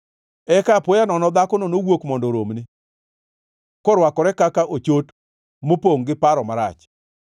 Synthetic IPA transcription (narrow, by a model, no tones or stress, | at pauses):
ɛkapojanɔnɔd̪akɔnonowokmɔndɔɾomnɪ | kɔɾwakɔɾɛkakaʔot͡ʃot | mopoŋɡɪpaɾɔmaɾat͡ʃ